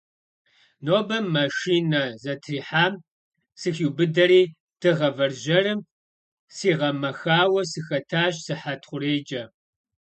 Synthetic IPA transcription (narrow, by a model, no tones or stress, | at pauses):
noːbɐmːɐʃiːnɐzɐtʰriːħaːm | sɨxiwbɨdɐɾiː | d̥ʰɨʁɐvɐrʑɐrɨm | siːʁɐmɐxaːwɐsɨxɐtʰaːɕsɨħatʰχʷʊreːd͡ʒʼɐ